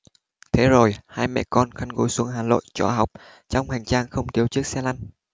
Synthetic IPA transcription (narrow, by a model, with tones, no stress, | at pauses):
t̪ʰe˨˦zo˨˩jhaː˧jmɛ̰˧˨kɔ˧nxa˧nɣo̰˨˦jsu˨˦əŋɦaː˨˩lo̰˧˨jt͡ɕɔ˧˩ɦa˨˩wk͡p̚ | t͡ɕɔ˧wŋ͡mha˨˩jŋ̟t͡ɕaː˧ŋxə˧wŋ͡mt̪i˨˦əwt͡ɕɨ˦˥ək̚sɛ˧la˧jŋ